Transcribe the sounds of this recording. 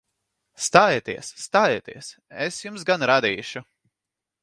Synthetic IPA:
st̪aːjt̪iɛsːt̪aːjet̪iɛs | esjumsɡanɾad̪iːʃu

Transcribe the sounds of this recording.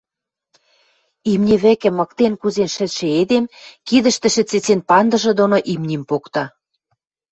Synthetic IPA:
imnʲĕβɘ̆kɘ̆mɤ̆kt̪enkuzenʃɘ̆t̪ʃĕed̪emkid̪ə̆ʃt̪ɘ̆ʃɘ̆t͡set͡senpɑnd̪ɤ̆ʒɤ̆d̪onoʔimnʲimpokt̪ɑ

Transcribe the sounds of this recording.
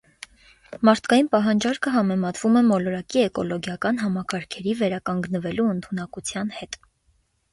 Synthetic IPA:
mɑɾt̪ʰkɑjinpɑɦɑnd͡ʒɑɾkʰəɦɑmɛmɑt̪vumɛmɔlɔɾɑkiɛkɔlɔɡjɑkɑn̪ɦɑmɑkɑɾkʰɛɾivɛɾɑkɑŋɡnəvɛluənt̪ʰunɑkut͡sʰjɑn̪hɛt̪

